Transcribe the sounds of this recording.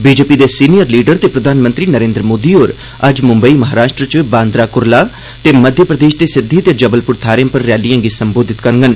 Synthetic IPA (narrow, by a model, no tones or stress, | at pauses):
biːd͡ʒeːpid̪eːsiːnijəɾliːɖəɾt̪eːpɾəd̪ʱaːnmə̃nt̪ɾiːnəɾẽːnd̪ɾəmoːd̪iːɦoːɾ | ɐd͡ʒmʊ̃mbəiːmɐɦaːɾaːʃʈɾət͡ʃbãːnd̪ɾaːkʊɾlaː | t̪eːməd̪ʱjəpɾəd̪eːʃd̪eːsɪd̪ʱːiːt̪ed͡ʒəbəlpʊɾt̪ʰaːɾjãːpəɾːɛːlijãːɡisəmboːd̪ʱɪt̪kəɾŋɡən